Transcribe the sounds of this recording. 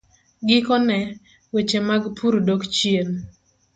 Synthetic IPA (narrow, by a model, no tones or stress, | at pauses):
ɡɪkɔnɛ | wet͡ʃemaɡpʰuɾdokt͡ʃjen